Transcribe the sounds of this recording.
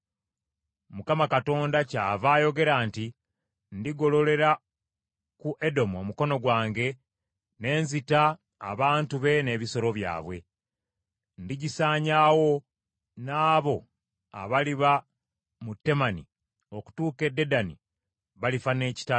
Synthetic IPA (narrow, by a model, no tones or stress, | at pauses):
mukamakato̞ːndacaːvaːjo̞ɡe̞ɾaːnti | ndiɡo̞lo̞le̞ɾa | kuʔe̞do̞mo̞muko̞no̞ɡwaːŋɡe̞ | ne̞ːnzita̰ː | βaːntuβe̞ne̞βiso̞ɾo̞βja̰ːβwe̞ | ndiɟisaːɲaːwo̞ | naːβo̞ | a̰βaliβa | mutːe̞manḭ | o̞ku̥tuːke̞dːe̞danḭ | βalifane̞ːci̥ta